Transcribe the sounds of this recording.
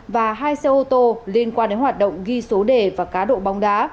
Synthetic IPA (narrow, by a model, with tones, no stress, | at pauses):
vaː˨˩ɦaː˧jse˧ʔo˧t̪o˧li˧ənkwaː˧nɗe˨˦nhwaː˨˩t̚ɗə̰˧˨wŋ͡mɣi˧so˨˦ɗe˨˩vaː˨˩kaː˨˦ɗo̰˧˨ɓa˨˦wŋ͡mɗa̰ː˨˦